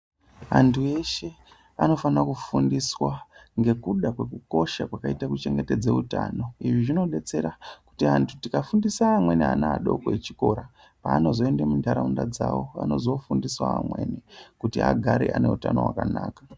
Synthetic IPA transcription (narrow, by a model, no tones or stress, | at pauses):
antʰue̞ʃe̞ | ano̞fanakufundiswaŋɡe̞kuɗakwe̞kuko̞ʃakwakaitakut͡ʃe̞ŋɡe̞ted͡zeutaːno̞iʐiʐino̞ɓe̞t͡se̞ɾaku̥tiantʰutikafundisaːmwe̞nianaɗo̞koet͡ʃiko̞ɾa | paːno̞zo̞e̞ndemundaɾaundad͡zawo̞a̰no̞zo̞fundiswa̰a̰mwe̞nekutia̰ɡʱaɾeʔane̞utano̞̰wa̰kanaːkḁ